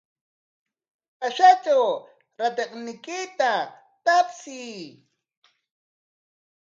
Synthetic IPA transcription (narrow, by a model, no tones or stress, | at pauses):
aʃat͡ʃaw | ɾat̪eqnɪkɪt̪a | t̪apsiː